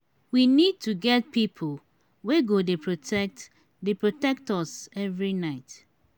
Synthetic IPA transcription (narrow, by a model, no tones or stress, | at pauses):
winid̚tuɡɛt̚pipʰol | weɡodepʰɹotɛt | depɹotɛk̚tɔsɛvɹinaɪt